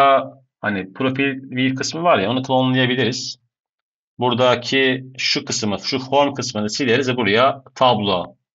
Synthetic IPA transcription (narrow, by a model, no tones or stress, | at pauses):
a | hanipʰɾo̞filʲbiɾkʰɯsmɯvaɾjao̞nukʰɯlˠonlˠajabilʲiɾiz̥ | buɾd̪acʰiʃukʰɯsmɯʃufo̞ɾmkʰɯsmɯnɯsilʲeɾizvɛbuɾajat̪ʰablˠo